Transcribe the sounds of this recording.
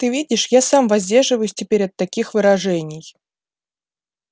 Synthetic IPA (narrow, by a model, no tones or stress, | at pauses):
t̪ɨvʲidʲɪʂjasamvɐzʲdʲe̞rʐɨvəjʊsʲtʲɪpʲeɾʲɐt̪ːɐkʲixvɨɾɐʐɛnʲɪj